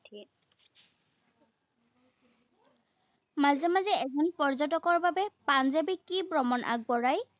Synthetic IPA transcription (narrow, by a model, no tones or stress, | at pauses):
tiɛ | mazɛmazɛɛzɔnpɔɹzɔtɔkɔɹbabɛpanzabikːibɹɔmɔnʔa̰ɡ̚bɔɹaj